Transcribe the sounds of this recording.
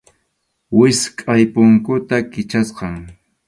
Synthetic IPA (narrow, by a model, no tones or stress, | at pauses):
wɪskʼajpʊŋkʊt̪akɪt͡ʃasqɑŋ